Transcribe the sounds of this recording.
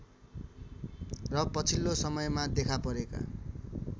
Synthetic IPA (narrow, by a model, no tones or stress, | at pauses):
rʌpʌt͡sʰilːosʌmʌjmad̪ekʰapʌɾeka̰